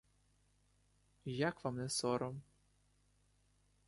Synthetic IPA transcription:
jakʋamnɛsɔɾɔm

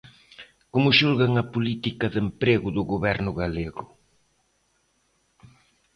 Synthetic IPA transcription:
komʊʃulɣaŋɐpulit̪ikɐðempɾeɣʊðʊɣoβɛɾnʊɣaleɣʊ

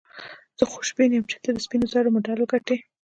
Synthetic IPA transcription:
z̥əxʊ̥ʃbinemt͡ʃḁt̪ed̪əspinozɑɽomoɖaloɡaʈe

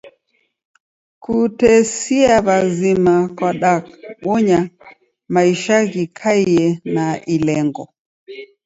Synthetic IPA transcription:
kutɛsiaβazimakwaɗakwɔɲa | maiʃaɣikʰaiɛnailɛŋɡɔ

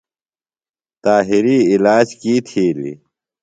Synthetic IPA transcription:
t̪aːɦiɾiːilaːd͡ʑkiːt̪ʰiːlḭ

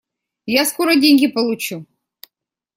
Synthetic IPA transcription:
jaskoɾədʲenʲɡʲipəlˠut͡ɕu

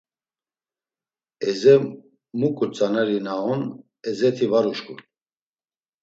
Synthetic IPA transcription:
ɛzɛ | mukʼut͡sʼanɛɾinaɔn | ɛzɛt̪ʰivaɾuʃkʰʼṵl

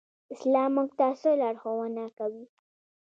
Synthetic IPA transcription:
ɪslɑmːuɡ̚t̪asolɑɽxowanakawi

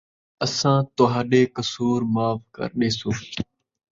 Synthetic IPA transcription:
əsãːt̪oɦaːɗeːkəsuːɾmaːfkə̰ɾɗeːsoː

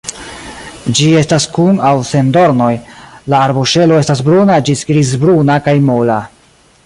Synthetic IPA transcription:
d͡ʒie̞staskunawse̞ndo̞ɾno̞jlaːɾbuʃe̞lo̞e̞stasbɾunad͡ʒisɡɾiz̬bɾunakajmola

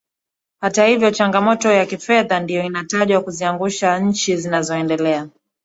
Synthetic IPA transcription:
hatahivjɔt͡ʃaŋɡamɔtɔjakifɛðandijɔinataʄwakuziaŋɡuʃaɲ̩t͡ʃizinazɔɛndɛlɛa

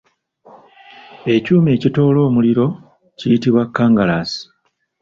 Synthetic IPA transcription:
e̞cuːme̞ːcito̞ːlo̞ːmuliɾo̞ | cijitiβwakːaːŋɡalaːsi̥

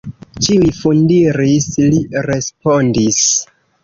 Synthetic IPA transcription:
t͡ʃiujfundiɾisliɾe̞spo̞ndis

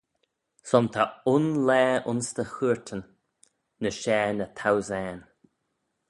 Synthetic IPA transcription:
sɔnt̪ʰaʊnlɛːʊnst̪əxuːɹtʰənː | əʃɛːnət̪ʰawzɛːn

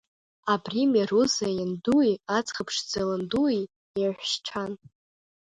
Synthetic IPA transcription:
abrimaruzajanduiat͡sχapʰʂd͡zalɨndui | jaħᶣʷʃʈ͡ʂʰan

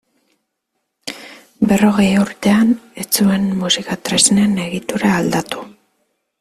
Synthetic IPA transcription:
be̞ro̞ɣ̞e̞juɾt̪e̞ane̞t͡sue̞nmusikat̪ɾe̞zne̞ne̞ɣit̪uɾaːld̪at̪u̥

